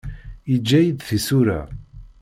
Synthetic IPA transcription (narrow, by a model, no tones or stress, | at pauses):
id͡ʒːæjid̪θisuɾæ̰